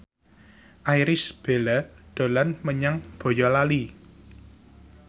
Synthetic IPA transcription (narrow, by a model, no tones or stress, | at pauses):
ʔajɾɪsb̥elaɖ̪̥o̤lanməɲaŋb̥o̤jɔlali